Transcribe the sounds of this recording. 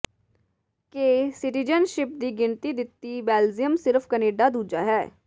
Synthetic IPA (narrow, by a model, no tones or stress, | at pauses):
keːsɪʈid͡ʒənʃɪp̚d̪iːɡɪnt̪iːd̪ɪt̪ːiːbɛːlzijəmsɪɾfʰkəneːɖaːd̪uːd͡ʒa̰ːɦɛː